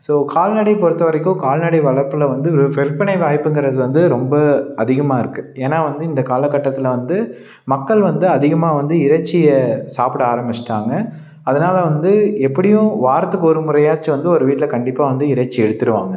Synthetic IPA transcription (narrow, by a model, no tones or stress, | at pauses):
soːkʰaːlnɐɽɪpɔɾɯt̪ːɐʋɐɾɪkːʊ̃kaːlnɐɽɪʋɐɭɐpːɯlɐʋɐnd̪ɯɔɾɯfɛɾpːɐɳɐɪʋaːjpːɯŋɡɪɾɐðɯʋɐnd̪ɯɾɔmbɐɐðɪɣɐmaːɪɾɯkːɯeːnaːʋɐnd̪ɯɪnd̪ɐkaːlɐkːɐʈːɐt̪ːɪlɐʋɐnd̪ɯ | mɐkːɐɭʋɐnd̪ɯɐðɪɣɐmaːʋɐnd̪ɯɪɾɐt͡ʃːɪjɐsaːpɪɽɯaːɾɐmbɪt͡ʃʈːaːŋɡɐ | ɐðɐnaːlɐʋɐnd̪ɯɛpːɐɽɪjʊ̃ʋaːɾɐt̪ːɯkːɔɾɯmʊɾɐjaːt͡ʃːɯʋɐnd̪ɯɔɾɯʋiːʈɪlɐkɐɳɖɪpːaːʋɐnd̪ɯɪɾɐt͡ʃːɪɛɽɯt̪ːɯɾɯʋa̰ːŋɡɐ